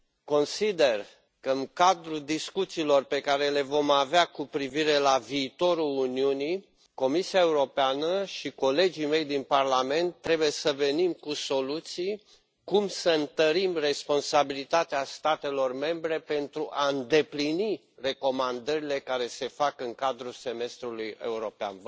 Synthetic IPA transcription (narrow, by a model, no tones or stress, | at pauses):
ko̞nsid̪e̞r | kəɨnkad̪ɾud̪iskut̪siːlo̞rpe̞kaɾe̞le̞vo̞maveakupɾiviɾe̞laviːt̪o̞ɾuluniuni | ko̞misiaeuɾo̞peanəʃiko̞le̞d͡ʒime̞jd̪inparlame̞nt̪ːɾe̞bujesəve̞nimkuso̞lut̪sij | kumsəɨnt̪əɾimre̞spo̞nsabilit̪at̪east̪at̪e̞lo̞rme̞mbɾe̞pe̞nt̪ɾuʔaɨnd̪e̞plini | re̞ko̞mand̪əɾile̞kaɾe̞se̞fakɨŋkad̪ɾuse̞me̞st̪ɾuluje̞̰uɾo̞pea̰n